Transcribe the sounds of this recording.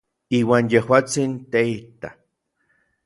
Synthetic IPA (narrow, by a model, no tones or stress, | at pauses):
iːwaːnjehwaːt͡sint̪eit̪a